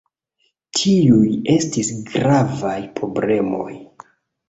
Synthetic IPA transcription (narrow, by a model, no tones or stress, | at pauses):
tʰiuje̞stisɡɾavajpɾoble̞mo̞̰j